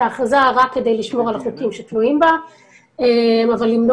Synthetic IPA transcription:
aːχazaʁakːe̞de̞jliʃmo̞ʁalaχukimʃet̪luimba | emavalːimno

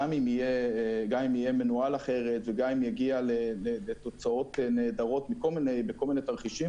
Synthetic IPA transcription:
amimijeɡamimije̞me̞nualaχe̞ʁe̞t̪veɡamimjaɡialelelet̪o̞t͡sao̞t̪ene̞ːd̪aʁo̞t̪mikolmine̞jbeko̞lminet̪aʁχiʃi

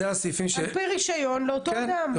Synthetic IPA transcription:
easifimʃpeʁiʃajo̞nleot̪od̪am

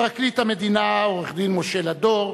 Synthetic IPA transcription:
ʁaklit̪amed̪inaoʁeχd̪inmoʃelad̪oʁ

